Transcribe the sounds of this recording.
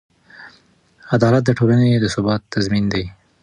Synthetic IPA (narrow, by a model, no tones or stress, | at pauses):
ad̪ɑlat̪̚d̪əʈʰolaned̪əsʊbɑt̪ːazmind̪aj